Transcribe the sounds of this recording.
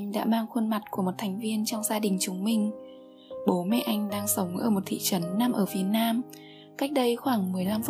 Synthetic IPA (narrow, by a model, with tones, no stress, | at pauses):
ŋ̟ɗa̰ː˧˥maː˧ŋxwə˧nma˨˩t̚ku˧˩əmo˨˩t̚t̪ʰa˨˩jŋ̟vi˧ənt͡ɕɔ˧wŋ͡mzaː˧ɗï˨˩ŋ̟t͡ɕʊ˨˦ŋ͡mmï˧ŋ̟ | ɓo˨˦mɛ̰˧˨ʔa˧jŋ̟ɗaː˧ŋsə˨˦wŋ͡mʔəː˧˩mo˨˩t̚t̪ʰḭ˧˨t͡ɕə˨˦nːa˧mʔəː˧˩fi˨˦ət̚naː˧m | ka˦˥jk̟̚ɗə˧jxwaː˧˩ŋmɨ˨˩əjla˧mf